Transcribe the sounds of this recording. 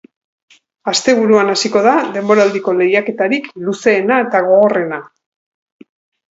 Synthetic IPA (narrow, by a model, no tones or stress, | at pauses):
ast̪e̞βuɾuanasiko̞ðaðe̞mbo̞ɾald̪iko̞le̞jake̞t̪aɾikluse̞ːnae̞t̪aɣ̞o̞ɣo̞re̞na